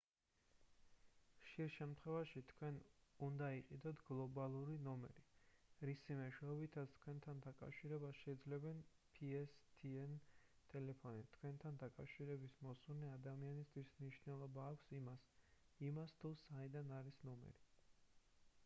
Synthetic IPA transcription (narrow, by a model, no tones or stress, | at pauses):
χʃiɾʃɛmt̪ʰχwɛvaʃit̪ʰkʰwɛnund̪aiqʼid̪ɔt̪ʰɡlˠɔbalˠuɾinɔmɛ̰ɾiɾisimɛʃwɛɔbit̪ʰat̪ʰkʰwɛnt̪ʰand̪akʼa̰fʃiɾɛbasʃɛid̪zlɛbɛnpʰiɛst̪ʰiɛnt̪ʼɛlɛpʰɔnit̪ʰkʰwɛnt̪ʰand̪akʼafʃiɾɛbismɔsunɛad̪amianist̪ʰwismniʃnɛlˠɔbaːkʷʰsimas | imast̪ʰusaid̪anaɾisnɔmɛ̰ɾi